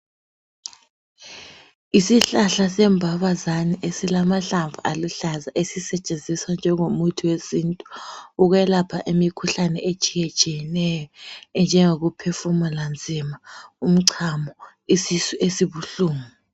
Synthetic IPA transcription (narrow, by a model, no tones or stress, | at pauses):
isiɬaɬasɛmbʱaβazaniʔesilamaɬaɱvualuɬazaʔesisɛt͡ʃʼend͡zʱiswand͡ʒʱɛŋomutʰiwesiːntʼu̥uɣwɛlapʰaʔemikʰuɬanɛʔet͡ʃʼijɛt͡ʃʼijɛnɛjɔɛnd͡ʒʱɛŋoɣupʰɛfumɔland͡zʱimaum̩ǀʰamɔ | isisuʔesiβuɬuːmɔ